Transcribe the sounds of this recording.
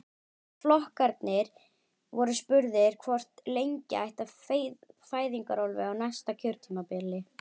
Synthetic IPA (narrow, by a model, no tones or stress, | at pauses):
flɔhkaɾt̪nɪɾ | vɔɾʏspʏɾðɪɾ̥kʰvɔr̥t̪lejɲca̰ajht̪a | faːjðiŋkaɾɔlvɪ̰awnast̪acʰœɾt̪ʰimapɪlɪ